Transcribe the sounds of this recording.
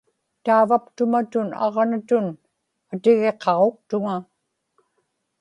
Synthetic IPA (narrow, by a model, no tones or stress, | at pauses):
t̪aːvapt̪ʊmat̪ʊnɑ̰ʁnat̪ʊn | at̪ɪɣe̞qʰɑʁok̚t̪ʊŋa